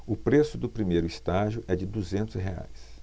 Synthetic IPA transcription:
ʊpɾesʊd̪ʊpɾimejɾʊist̪aʒjʊʔɛd͡ʒɪd̪uzẽnt̪ʊsɦea̰js

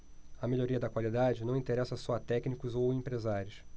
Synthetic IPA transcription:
ɐmeʎoɾiɐd̪ɐkwalid̪ad͡ʒɪnɐ̃w̃ĩnt̪eɾɛsɐsɔɐt̪ɛknikʊzowẽmpɾezaɾjʊs

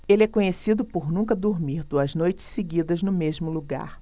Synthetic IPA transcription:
elɪɛkõɲesid̪ʊpoɾnũkɐd̪oɾmiɾd̪uɐznojt͡ʃɪ̥seɡid̪ɐznʊmeʒmʊluɡa̰ɾ

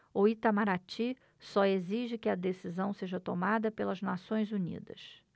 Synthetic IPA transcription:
oit̪amaɾat͡ʃi | sɔeziʒɪkɪɐd̪esizɐ̃w̃seʒɐt̪omad̪ɐpelɐznasõj̃zunḭd̪ɐ̰s

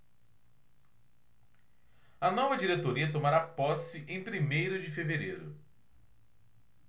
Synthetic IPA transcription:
ɐnɔvɐd͡ʒiɾet̪oɾiɐt̪̬omaɾapɔsɪʔẽj̃pɾimejɾʊd͡ʒɪfeveɾejɾʊ

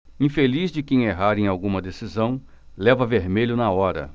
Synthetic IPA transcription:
ĩfelizd͡ʒɪkẽj̃eɦaɾẽj̃awɡũmɐd̪esizɐ̃w̃ | lɛvɐveɾmeʎʊnɐɔɾɐ̰

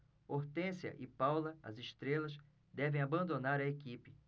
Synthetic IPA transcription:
oɾt̪ẽsjɐ̰ʔɪpawlɐɐ̰zɪʃt̪ɾelɐs | d̪ɛvẽj̃abɐ̃nd̪onaɾɐekipɪ

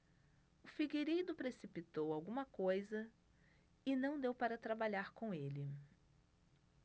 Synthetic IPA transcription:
ʊfiɡeɾid̪ʊpɾesipit̪owawɡũmɐkojzɐ | ɪnɐ̃w̃d̪ewpaɾɐt̪ɾabaʎaɾkõelɪ

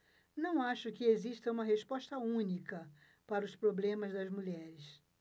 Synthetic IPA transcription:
nɐ̃w̃aʃʊkɪeziʃt̪ɐũmɐɦespɔʃt̪ɐũnikɐ | paɾɐʊspɾoblẽmɐzd̪ɐzmuʎɛɾɪs

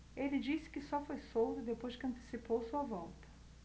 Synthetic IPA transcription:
elɪd͡ʒisɪ̥kɪsɔfojsowt̪ʊɪd̪epojzd͡ʒɪkɪɐ̃nt̪e̥sipowsuɐvɔwt̪ɐ̥

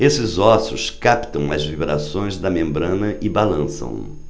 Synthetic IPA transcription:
esɪzɔsʊskapt̪ɐ̃w̃ɐ̰zvibɾa̰sõj̃zd̪ɐmẽmbɾɐ̃nɐʔɪbalɐ̃sɐ̰̃w̃

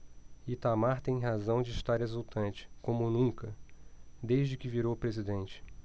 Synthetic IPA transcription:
it̪amaɾt̪ẽj̃ɦazɐ̃w̃d͡ʒɪːʃt̪aɾezuwt̪ɐ̃nt͡ʃɪ̥kõmʊnũŋkɐ | d̪ejʒd͡ʒɪkɪviɾowpɾezid̪ẽnt͡ʃɪ̥

